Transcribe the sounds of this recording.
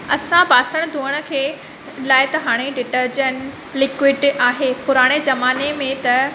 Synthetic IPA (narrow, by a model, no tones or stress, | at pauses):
ɐsãbaːsəɽ̃̆d̪ʱuːəɽ̃ə̆kʰeː | laːɪt̪ɐɦaːɽ̃eɖɪʈəɾd͡ʑən | lɪkwɪɖaːɦepʊɾaːɽ̃ezɐmaːnemẽt̪ɐ